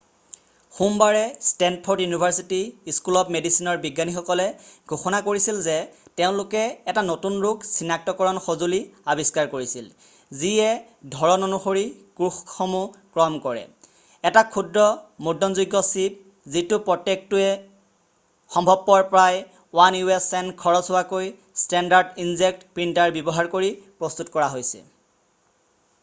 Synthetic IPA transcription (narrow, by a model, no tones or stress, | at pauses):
xumbaɹɛstɛnpʰoɹtjunibʱaɹsitiiskulɔpmedisinɔɹbiɡanixɔkɔlɛɡʱoxɔnakoɹisilzɛteʊ̃lʊkɛːtanotunɹʊksinak̚tɔkɔɹɔnxozuliabʱiskaɹkoɹisil | ziɛ | dʱɔɹɔnonuxoɹikɹuxxomukɹɔmkɔɹɛ̰ | ɛtakʰudɹɔmudɔnzuɡːɔsip̚ | zitʊpɹɔtːek̚tʊɛ | xɔmbʱɔbːɔɹpɹaj | wanjuɛsɛnkʰɔɹɔsʊwakoj | stɛndaɹdinzek̚tpɹintaɹbjɔbɔɦaɹkoɹipɹɔst̪utkɔɹaɦojsɛ̰